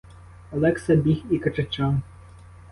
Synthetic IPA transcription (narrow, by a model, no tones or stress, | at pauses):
ɐlˠɛksɐbʲixikɐt͡ʃɐt͡ʃɑn